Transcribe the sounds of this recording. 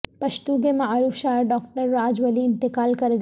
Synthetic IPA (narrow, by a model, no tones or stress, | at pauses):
pɐʃt̪uɡemaːɾuːfʃaːɾɖɔːkʈəɾːaːd͡ʒʋɐliɪ̃nt̪ɪkaːlkɐɾɡ